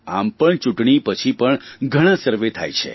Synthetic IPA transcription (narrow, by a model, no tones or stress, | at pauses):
a̰mpəɳt͡ʃuʈɳipət͡ʃʰipəɳɡʱəɽ̃ãsəɾʋet̪ʰa̰jt͡ʃʰḛ